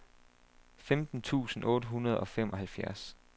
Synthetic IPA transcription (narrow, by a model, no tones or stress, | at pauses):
femd̥n̩t͡sʰṵːsn̩ɔ̽ːɾəɦunɐð̞ˠɒ̽fem̰ɒ̽ɦælfjæɐs